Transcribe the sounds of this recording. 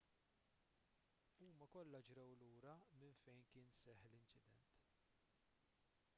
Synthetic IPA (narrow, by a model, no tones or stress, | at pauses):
uːmɐkɔlːɐd͡ʒɾɛwluːɾɐmɪnfɛjnkɪːnsɛħlɪnt͡ʃɪd̪ɛnt̪